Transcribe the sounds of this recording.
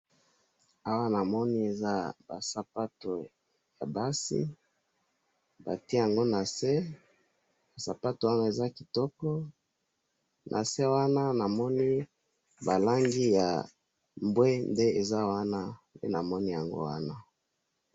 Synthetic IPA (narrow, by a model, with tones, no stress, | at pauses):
a˦wa˦na˨mɔ˦ni˦e˨za˦ba˨sa˨pa˦to˨ | ja̰˨ba˦sḭ˦ | ba̰˨ti˦˨a˨ŋɡo˦na˨se˦ | ba˨sa˨pa˦to˨wa˦ŋɡo˦e˨za˦ki˨tɔ˦kɔ˦ | nʔa̰˨se˦wa˦na˦na˨mɔ˦ni˦ | ba˨la˦ŋɡi˦ja̰˨ | mbwe˦nde˦e˨za˦wa˦na˦pḛ˦na˨mɔ˦ni˦ja˨ŋɡo̰˦wa˦na˦